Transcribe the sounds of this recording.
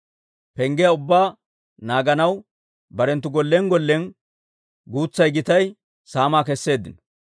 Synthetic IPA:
pɛŋɡɛjɐʊbːaː | naːɡɐnɐw | bɐɾɛnt̪ːʊɡɔlːɛŋɡɔlːɛn | ɡuːt͡sːɐjɡɪt̪ɐj | saːmaːkɛsːe̞ːd̪ːɪn

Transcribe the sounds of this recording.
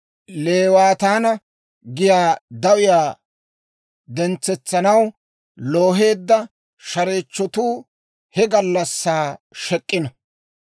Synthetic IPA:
leːwaːt̪aːnɐ | ɡɪjaːd̪ɐwɪjaː | d̪ɛnt͡sːɛt͡sːɐnɐw | loːɦe̞ːd̪ːɐ | ʃɐɾeːt͡ʃːɔt̪uː | hɛɡɐlːɐsːaːʃɛkʼːɪnɐ

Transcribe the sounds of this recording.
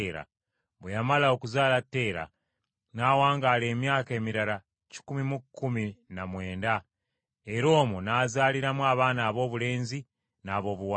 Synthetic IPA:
ɾa̰ | βwejamalao̞kuzaːlatːe̞ːɾa̰ | naːwaːŋɡaːle̞ːmjaːke̞ːmiɾala | ci̥kumimukːuminamwe̞ːnda | e̞ɾo̞ːmunaːzaːliɾamuaːβaːnaːβo̞ːβule̞ːnzi | naːβo̞ːβuwa

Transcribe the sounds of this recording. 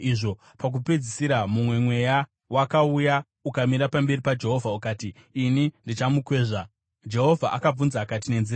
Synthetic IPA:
iʐo̞ | pak̬uped͡zisiɾamumwe̞mwe̞ja | wakauja | ukamiɾapambe̞ripad͡ʒe̞ɦo̞vʱaukaːtiːnindit͡ʃamukwe̞ːʐa | d͡ʒe̞ɦo̞vʱaʔakab͡vunzaːkat̬ine̞nzira

